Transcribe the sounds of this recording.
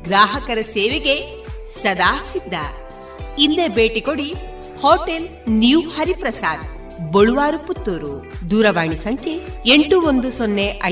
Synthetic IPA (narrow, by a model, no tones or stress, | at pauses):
ɡɾaːɦɐkɐɾɐseːʋeɡe | sɐd̪aːsid̪ʱːɐ̰ | ild̪ebeːʈikoɽi | hoːʈelnjuhɐɾipɾɐsaːd̪ | boɭuʋaːɾuput̪ːuɾud̪uːɾɐʋaːɳisɐŋk̪ʰeeɳʈuond̪usonːeʔɐ